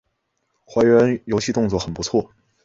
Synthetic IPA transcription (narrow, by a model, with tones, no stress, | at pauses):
xwa˧˥ɥɛ˧˥njo˧˥ʊɕi˥˧t̪ʊ˥˧ŋt͡swɔ˥˩xə˨˩npu˧˥t͡sʰwɔ˥˩